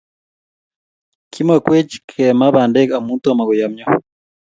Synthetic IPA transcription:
kʰi˦mwa˨kwe˦t͡ʃi̥kʰɛ˨ma˦βaː˨ndɛ˦ka˨muː˦ntu˦a˨ma˨ɣu˨ja˨mɲɔ˦

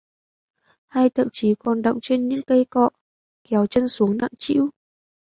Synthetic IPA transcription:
ha˧jt̪ʰə̰˧˨mt͡ɕi˨˦kɔ˨˩nɗə̰˧˨wŋ͡mt͡ɕe˧nɲɨ̰˧˥ŋkə˧jkɔ̰˧˨ | kɛ˨˦wt͡ɕə˧nsu˨˦əŋna̰ː˧˨ŋt͡ɕḭ˧˥w

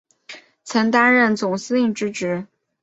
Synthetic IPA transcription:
t͡sʰɤ˧˥ŋt̪a˥nɻə˥˩nt͡sʊ˨˩ŋsɹ̩˥i˥˩ŋʈ͡ʂɻ̩˥ʈ͡ʂɻ̩˧˥

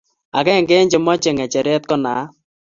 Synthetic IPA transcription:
a˨kɛ˦˨ŋɡɛ˦ɲd͡ʒɪ˨mɔ˦t͡ʃe˨ŋɛ˨t͡ʃɛ˨ɾɛ˦t̚kɔ˦na̰ː˨˦

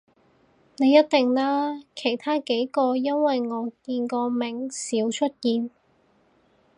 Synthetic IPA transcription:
ne˨˧jɐ˥t̚t̪ɪ˨ŋlaː˥kʰe˨˩jt̪ʰaː˥ke˨˥jkɔː˧jɐ˥nwɐ˨jŋɔː˨˧kiː˧nkɔː˧mɪ˨˩ŋsiː˨˥wt͡ʃʰɵ˥t̚kiː˧n

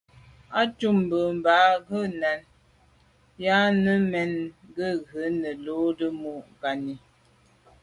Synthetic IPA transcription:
a˦tu˦m˨bə˨m˨ba˨˦ɣə˦na˨n | ja˦nə˦mɛ˦nɡə˦ɣə˨˦nə˨lo˦də˦mu˦ɡa˨ni˨

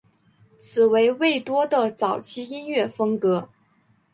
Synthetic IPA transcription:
t͡sʰɹ̩˨˩we˧˥ɪwe˥˩ɪt̪wɔ˥d̪ə˨t͡sɑ˨˩ʊt͡ɕʰi˥i˥nɥɛ˥˩fɤ˥ŋkɤ˧˥

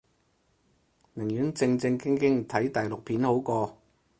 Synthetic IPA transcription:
mɪ˨˩ŋjyː˨˥nt͡sɪ˧ŋt͡sɪ˧ŋkɪ˥ŋkɪ˥ŋt̪ʰɐ˨˥jt̪ɐ˨jlʊ˨k̚pʰiː˨˥nho˨˥wkɔː˧

